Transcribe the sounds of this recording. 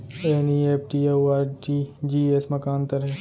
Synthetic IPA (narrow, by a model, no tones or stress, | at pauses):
eːnieːpʰʈiːewaːʈid͡ʒiːesmɐkaːnt̪ɐɾɦɛː